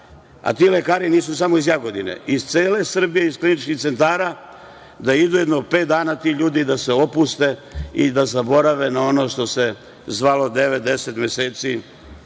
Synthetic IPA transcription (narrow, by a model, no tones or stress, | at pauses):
a̰t̪ile̞kaːɾiniːs̬usamo̞izjaɡo̞d̪inḛizt̪seːle̞sr̩bijeizklinit͡ʃkixt̪se̞nt̪aːɾa | d̪aid̪ujed̪nope̞ːt̪̚d̪aːnat̪ihʎuːd̪id̪ase̞o̞pust̪e̞id̪azabo̞ɾaʋe̞nao̞no̞ʃt̪o̞se̞ | zʋalo̞d̪e̞ʋet̪̚d̪e̞set̪mje̞se̞ːt̪si